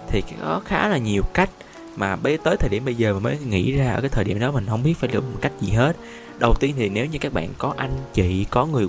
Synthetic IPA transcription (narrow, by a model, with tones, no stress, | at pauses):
t̪ʰi˨˩kaː˨˦xɔ˨˦xaː˨˦laː˨˩ɲi˨˩əwka˦˥jk̟̚ | maː˨˩ɓə˧˦t̪əː˨˦jt̪ʰəː˨˩jɗi˧˩əmɓə˧jzəː˨˩ma˨˩nməː˨˦jŋḭ˧˥zaː˧ʔəː˧kaː˨˦jt̪ʰəː˨˩ɗḭ˧˩əmɗɔ˨˦mï˨˩ŋ̟ɦə˧wŋ͡mɓi˦˥ət̚faː˧˩jlɨ̰˧˩mo˨˩t̚ka˦˥jk̟̚zi˨˩ɦe˦˥t̚ | ɗə˨˩wt̪i˧ənt̪ʰi˨˩ne˨˦wɲɨ˧kaː˦˥k̚ɓa̰ː˧˨nkɔ˨˦ʔa˧jŋ̟t͡ɕḭ˧˨kɔ˨˦ŋɨ˨˩əj